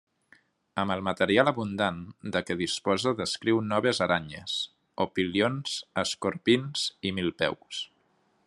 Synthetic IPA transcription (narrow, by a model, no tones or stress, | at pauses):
əməlˠmət̪əɾialəβund̪and̪əkəð̞ispɔzəðəskɾiwnɔβezəɾʔaɲə̰s | opilionz̥əskoɾpinz̥imilˠpɛ̰ws